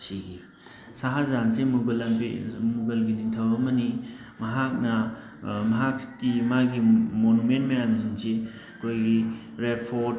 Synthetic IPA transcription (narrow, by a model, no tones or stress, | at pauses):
siɡi | saɦazansemuɡɐlpimuɡɐlɡiniŋtʰɐwɐmɐni | mɐɦak̚nɐ | mɐɦakkimaɡimonumentmɐjamizinse | ɐkʰojɡi | ɾepʰo